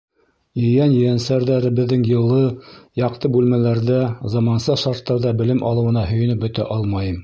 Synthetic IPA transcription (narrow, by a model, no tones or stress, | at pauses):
jɵ̆jænjɘ̆jænsæɾðæɾɘ̆bɘ̆ðːɘŋjɤ̆lˠɤjɑqt̪ɤbʉlmælæɾðæzɑmɑnsɤʃɑɾt̪ːɑɾðɑbɘ̆lɘmʔɑ̰lˠɤ̆wɤ̆nɑɦɵ̆jɵ̆nɵp̚bɵ̆t̪æ̰ʔɑlˠmɑjɤm